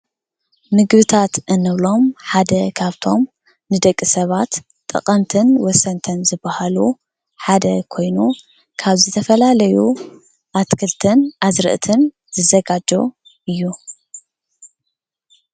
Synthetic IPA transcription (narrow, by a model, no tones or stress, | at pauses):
nɨɡβɨt̪ʰat̪ʔɨnːɨβlo̞mħad̪ɐkʰaβt̪ʰo̞m | nɨd̪ɐkʼːisɐβat̪ | t̪ʼːɨ̰qʼɐnt̪ʰɨnwɔsɐnt̪ʰɐnzɨbːahalu | ħad̪ɐkʰo̞jnu | kʰaβzɨt̪ʰɐfɐlalɐju | ʔat̪kʰɨlt̪ʰɨnʔazɾɨ̰ʔt̪ʰɨn | zɨzɐɡad͡ʒo̞̰ | ɨjːu